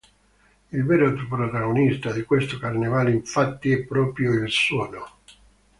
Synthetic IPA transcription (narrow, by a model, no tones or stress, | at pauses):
ilvɛːɾat̪ɾopɾot̪aɣonist̪ad̪ikwest̪okarnevaːleiɱfat̪ːiɛpːɾɔːpɾjoilsɔːno